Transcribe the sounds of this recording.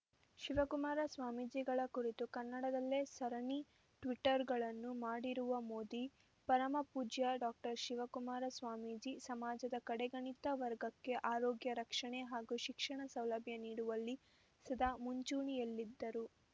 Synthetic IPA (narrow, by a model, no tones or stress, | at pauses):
ʃiʋɐkumaːɾɐsʋaːmid͡ʒiɡɐɭɐkuɾit̪ukɐnːɐɽɐd̪ɐlːe̞ːsɐɾɐɳi | ʈʋiʈɐɾɡɐɭɐnːumaːɽiɾuʋɐmoːd̪i | pɐɾɐmɐpuːd͡ʒjɐɖaːk̚ʈɐɾʃiʋɐkumaːɾɐsʋaːmid͡ʒisɐmaːd͡ʒɐd̪ɐkɐɽɛɡɐɳit̪ɐʋɐɾɡɐkːe̞ʔaːɾoːɡjɐɾɐkʂɐɳeɦaːɡuːʃikʂɐɳɐsɐwlɐbʱjɐniːɽuʋɐlːi | sɐd̪aːmuɲt͡ʃuːɳijɐlːid̪ːɐɾu